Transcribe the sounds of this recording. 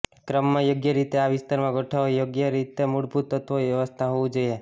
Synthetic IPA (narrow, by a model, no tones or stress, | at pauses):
kɾəmːãjoɡjəɾit̪eaʋɪst̪aɾmãɡʱoʈʰaʋojoɡjəɾit̪emuɽput̪ːət̪ʰʋoʋjəʋəst̪ʰaɦoʋĩd͡ʒoje